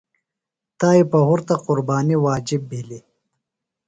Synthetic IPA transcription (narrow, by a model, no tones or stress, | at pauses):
t̪aːipɐhuɾt̪aqʊɾbɑːniwɑːd͡ʒibːili